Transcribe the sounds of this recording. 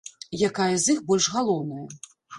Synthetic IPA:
jakajɐzʲixbɔlʲʂɣalˠɔwnɐjɐ

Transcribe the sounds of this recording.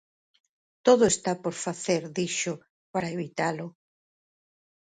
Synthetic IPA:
t̪oðʊest̪apoɾfaθeɾðiʃʊ | paɾaeβit̪alʊ

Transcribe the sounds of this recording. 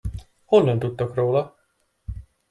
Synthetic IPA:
holnømt̪ut̪ːokroːlɒ

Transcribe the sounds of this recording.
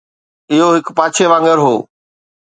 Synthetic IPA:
ɪɦoɦɪkpaːt͡ɕʰeʋãːŋɡəɾɦoː

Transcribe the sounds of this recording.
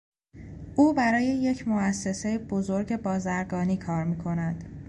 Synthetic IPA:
ʔuːbæɾɒːje̞je̞cʰmoæsːe̞se̞jeb̥o̞zo̞ɾɟe̞bɒːzæɾɡɒːniːkʰɒːɾmiːkʰo̞næd̪̥

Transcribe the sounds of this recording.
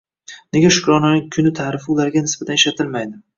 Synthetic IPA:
ne̞ɡʲaʃʊ̥kʲɾɒnɪnɪŋkʰʊnɪt̪ʰaɾɪfɪʊlaɾɡʲanɪsbat̪aneʃat̪ʰɪlmajd̪ɪ

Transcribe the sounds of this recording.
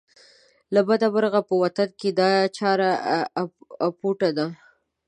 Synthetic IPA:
labad̪abaɾɣapəwat̪anked̪ɑjt͡ʃɑɾa | apuʈad̪a

